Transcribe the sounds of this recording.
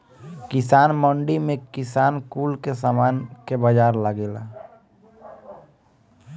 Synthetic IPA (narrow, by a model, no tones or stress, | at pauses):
kɪsaːnmɔ̃ɳɖimẽkɪsaːnkuːlkesaːmaːnkebəd͡ʒaːɾlaɡeːlaː